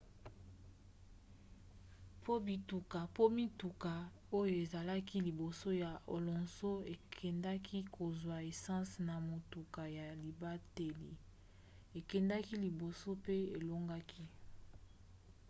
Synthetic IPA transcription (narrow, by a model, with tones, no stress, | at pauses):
pʰo˦bi˨tu˨ka˨po˦mi˦tu˨ka˨ | o˦jo˨e˨za˨la˦ki˦li˨bo˨so˦ja˨o̰˨lɔ̃˨nso˦e˨kʰɛ˨nda˦kʰi˦ko˨zwa˨e˨sɑ̃˦sna˨mo˨tu˨ka˨ja˨li˨ba˦te˨li˨ | e˨kɛ˨nda˦ki˦li˨bo˨so˦pe˦e˨lo˦ŋɡa˦kʰi˦